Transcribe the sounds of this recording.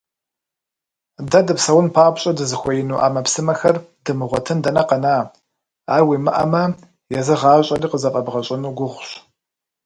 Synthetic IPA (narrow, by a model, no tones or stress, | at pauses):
dɐdɨpsɐwʊnpʰaːbʷɕʼɐdɨzɨxʷɔjɪnuːʔa̰ːmɐpsɨmɐxɐrdɨmɨʁʷɔtʰɨndɐnɐqɐnaː | aːwimɨʔɐ̰mɐ | jɛzɨʁaːɕʼɐriːqəzɐfʼɐbʁɐɕʼɪnuːɡʷʊʁʷʊɕ